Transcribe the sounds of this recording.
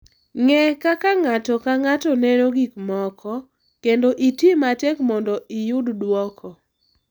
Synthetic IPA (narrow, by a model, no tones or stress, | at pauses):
ŋɛkakaŋatɔkaŋatɔnenoɡikmɔkʰɔ | kendoʔitimatɛkmɔndɔijʊddwɔkʰɔ